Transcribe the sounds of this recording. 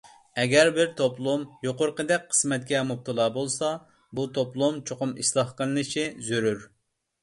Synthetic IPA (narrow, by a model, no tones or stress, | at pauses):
ɛɡʲɛɾbɪɾt̪ʰoplˠumjoqʊɾqəd̪ɛk̚ʲqʰə̥smɛt̪̚kʲɛmup̚t̪ʰɨlˠɑːbolˠsɑ | but̪ʰoplˠumt͡ʃʰoqʊmiʃslˠɑhqəlˠɨnɨʃizyɾyɾ